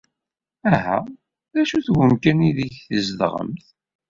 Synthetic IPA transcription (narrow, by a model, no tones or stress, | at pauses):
æɦæ̰ | ðæʃuθwəmkæniðiçθəzðʁə̰mθ